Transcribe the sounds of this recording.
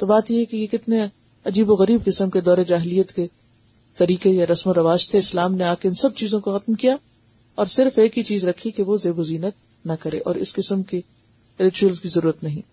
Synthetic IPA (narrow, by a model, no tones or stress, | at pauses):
t̪obaːt̪jeɦɛkejekɪt̪ne | ɐd͡ʒiːboɣɐɾiːb̚kɪsəmked̪ɔːɾed͡ʒaːɦɪlijːət̪ke | t̪ɐɾiːqejaɾɐsmoɾɐʋaːʃt̪ʰeɪslaːmneaːkeɪnsɐb̚t͡ʃiːzõkoxɐt̪mkija | ɔːɾsɪɾfeːkɦit͡ʃiːzɾɐkʰːikeʋozeːboziːnət̪̚ | nɐkɐɾḛːʔɔ̰ːɾɪ̰skɪsəmki | ɾɪt͡ʃuəlzkizɐɾuːɾət̪nɐɦĩː